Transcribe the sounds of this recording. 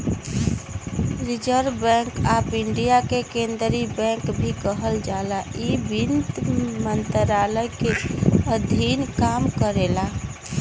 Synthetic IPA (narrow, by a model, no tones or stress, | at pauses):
ɾid͡ʒəɾbɛ̃ŋkapiɳɖijakekend̪ɾibɛ̃ŋkbʱikəɦəld͡ʒalaʔibint̪mənt̪ɾaləjkeəd̪ʱinkamkəɾela